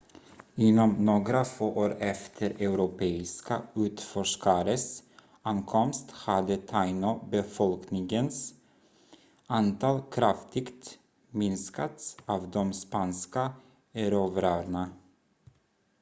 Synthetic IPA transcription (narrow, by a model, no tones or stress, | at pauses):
ɪnːɔmnoːɡɾafoːʔoːɾɛft̪ʰəɾɛʉɾʊpʰeːɪskaʉ̟ːt̪fɔʂkaɾəs | ankʰɔmst̪had̪ət̪ʰaɪnɔbɛfɔlknɪŋɡəns | ant̪ʰɑːlkʰɾaft̪ʰɪɡt̪ | mɪnskat̪saːvd̪ɔmspanska | æɾøvəɾœːɾɳa